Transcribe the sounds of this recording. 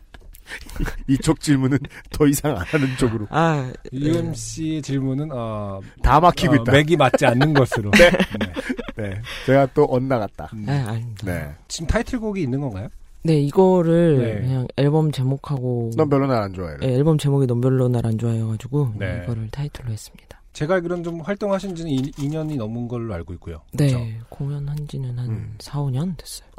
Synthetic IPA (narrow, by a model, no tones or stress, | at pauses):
it͡ɕʰok̚t͡ɕ͈iɭmunɯntʌisʰaŋa̰nanɯnt͡ɕ͈oɡɯɾoajuemɕiet͡ɕiɭmunɯnʌtamakʰiɡoitt͈aeɡimat̚t͡ɕ͈ianːɯnɡʌsʰɯɾo | net͡ɕe̞ɡat͈oʔʌnːaɡat̚t͈aeaɲimidane̞t͡ɕimtʰaitʰɯɭɡoɡiːnːɯnɡʌnɡajone̞iɡʌɾɯɭkɯɲaŋe̞ɭbʌmt͡ɕe̞mokʰaɡonʌmpjʌɭːonaɾand͡ʑoa̰j̰jʔeeɭbʌmt͡ɕe̞moɡinʌmpjʌɭːonaɾand͡ʑoajʌɡad͡ʑiɡoeɡʌɾɯɭtʰaitʰɯɭːoɦe̞s͈ɯ̥mɲid̥ḁt͡ɕe̞ɡakɯɾʌnt͡ɕomɸwaɭt͈oŋɦaɕʰind͡ʑinɯniiɲʌɲinʌmɯnɡʌɭːoaɭɡoik̚k͈ujo̰ne̞koŋjʌnhand͡ʑiɲʌnhansʰaoɲʌndwes͈ʌjo